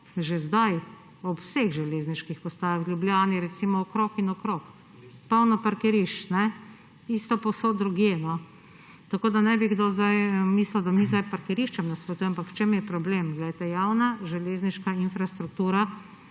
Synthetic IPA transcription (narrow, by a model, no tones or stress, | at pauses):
ʒezd̪aj | ɔpwseɣʒɛleːzniʃkixpɔst̪aːjawlʲjubljaːniɾɛt̪simɔɔkɾokinɔkɾok | pawnɔpaɾkɛɾiʃt͡ʃnɛ | ist̪ɔpowsod̪ɾuɡjenɔ | t̪akoːd̪anɛbiɡd̪oːzd̪ajmisləd̪amizd̪ajpaɾkɛɾiʃt͡ʃɛmnaspɾɔt̪ujɛmampakwt͡ʃemjɛpɾɔblemɡlɛjt̪ɛjawnaʒɛleːzniʃkainfɾast̪ɾuk̚t̪uːɾa